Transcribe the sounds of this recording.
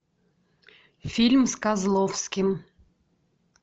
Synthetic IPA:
fʲilʲmskazlˠofskʲim

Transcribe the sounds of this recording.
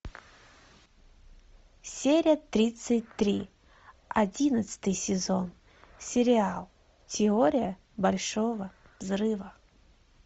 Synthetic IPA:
sʲeɾʲɪjət̪ɾʲit̪sɨt̚ʲt̪ɾʲi | ɐdʲinət̪sɨ̥t̪ɨjsʲɪzon | sʲɪɾʲɪalˠ | tʲɪoɾʲɪjə | bɐlʲʂovə | vzɾɨvə

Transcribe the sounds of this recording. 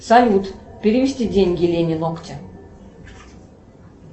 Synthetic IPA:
sɐlʲut̪pʲeɾʲivʲisʲt̪ʲidʲeŋʲɡʲilʲenʲɪnokt̪ʲɪ

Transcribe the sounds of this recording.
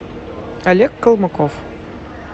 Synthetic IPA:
ɐlʲekːɤ̆lˠmɤ̆kof

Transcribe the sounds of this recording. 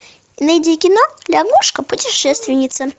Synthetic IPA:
nɐjdʲikʲɪnolʲaɡuʂkəpʊtʲɪʂɛst̪vʲɪnʲɪt̪sə

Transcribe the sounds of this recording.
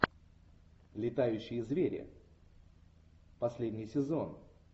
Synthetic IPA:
lʲɪt̪ajʉɕːɪjəzvʲeɾʲɪ̰ | pɐsʲlʲedʲnʲɪjsʲɪzo̞n

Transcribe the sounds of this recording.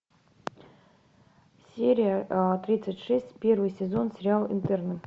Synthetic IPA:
sʲeɾʲɪjət̪ɾʲit̪sɨtʲʂɛsʲtʲpʲe̞rvɨjsʲɪzo̞nsʲɪɾʲɪalˠɪ̰nt̪ɛrnə

